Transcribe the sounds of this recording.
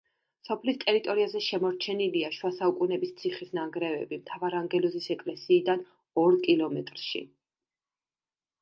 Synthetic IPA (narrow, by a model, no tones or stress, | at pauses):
sɔpʰlist̪ʼɛɾit̪ʼɔɾiazɛʃɛmɔɾt͡ʃʰɛniliaʃwasaukʼunɛbist̪sʰiχisnaŋɡɾɛvɛ̰bimt̪ʰavaɾaŋɡɛlɔzisɛkʼlɛsiːd̪an | ɔɾkʼilˠɔmɛt̪ʼɾʃḭ